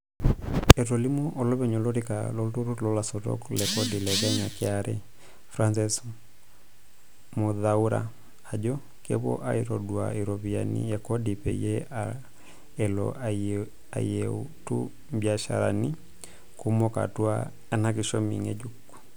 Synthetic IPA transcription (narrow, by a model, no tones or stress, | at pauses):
ɛtɔlimuʔɔlɔβɛɲɔlɔɾika̰lɔltuɾulɔlasɔtɔ̰klɛkɔdilɛkɛɲakɛaɾɛ | fɾansis | moðauɾa̰ | ad͡ʒɔ | kɛ̰βɔ̰ʔa̰iɾɔdwa̰iɾɔβianḭjɛkɔdipɛ̰jɛa | ɛlɔ̰a | a̰ijɛutṵ | mbjaʃa̰ɾa̰ni | kumɔka̰tua | ɛnakiʃɔmḭŋɛ̰d͡ʒukːu̥